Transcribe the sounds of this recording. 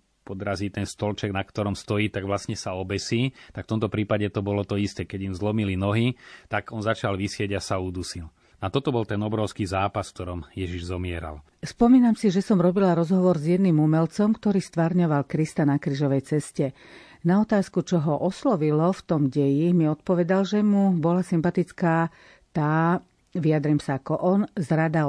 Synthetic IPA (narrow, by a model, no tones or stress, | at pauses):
pɔd̪ɾazit̪ɛnst̪ɔlt͡ʃɛɡnakt̪ɔɾɔmst̪ɔjiːt̪aɡʋlasɲɛsaɔbɛsiːt̪akft̪ɔmt̪ɔpɾiːpaɟɛt̪ɔbɔlɔt̪ɔist̪ɛkɛɟimzlɔmilinɔɦit̪aɡɔnzat͡ʃalʋisɪɛɟasauːd̪usil | at̪ɔt̪ɔbɔlt̪ɛnɔbɾɔʊskiːzaːpasft̪ɔɾɔmjɛʒiʒzɔmɪɛɾa̰l | spɔmiːnamsiʒɛsɔmɾɔbilaɾɔzɦɔʋɔɾzjɛd̪niːmumɛlt͡sɔmkt̪ɔɾiːst̪ʋaɾɲɔʋalkɾist̪anakɾiːʒɔʋɛjt͡sɛscɛ | naɔt̪aːskut͡ʃɔɦɔʔɔslɔʋilɔft̪ɔmɟɛjimiɔt̪̚pɔʋɛd̪alʒɛmubɔlasimpat̪it͡skaː | t̪aː | ʋiad̪ɾiːmsaːkɔʔɔnzɾad̪a